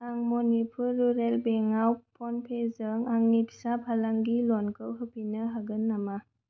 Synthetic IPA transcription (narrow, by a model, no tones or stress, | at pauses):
aŋmɔnipʰuɾuɾelbeŋawpʰɔnpʰezəŋaŋnipsapʰalaŋɡilɔnkɯwɦɯpinəɦaɡɯnːama